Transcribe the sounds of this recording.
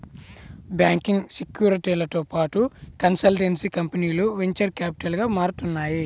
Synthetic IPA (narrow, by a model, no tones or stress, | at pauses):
bjaːŋkiŋɡsekjuːɾiʈiːlɐt̪oːpaːʈukɐnsɐlʈensikɐmpɐniːluʋeɲt͡ʃɐɾkjaːpi̥ʈɐlɡaːmaːɾut̪unːaːji